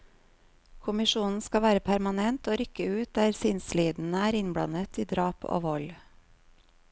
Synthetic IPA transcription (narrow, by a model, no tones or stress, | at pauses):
kʰʊmɪʃuːnn̩skɑʋæːɾəpʰæɾmɑnɛnt̪oːɾʏkəʉːt̪̚d̪æːɾsɪnsliːd̪n̩əæːɾɪnbɽɑ̰nət̪ʰiːd̪ɾɑːpʰo̰ːʋɔl